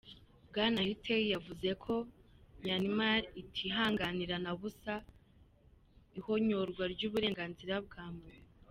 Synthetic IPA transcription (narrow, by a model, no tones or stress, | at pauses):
bɡaːnahitʰeijavuze̞kʰo̞ɲanimaɾitʰiɦaːŋɡaniɾanaβusa | iho̞ɲoɾɡwaɾɟuːβuɾe̞ːŋɡaːnziɾab̚ɡaːmɡe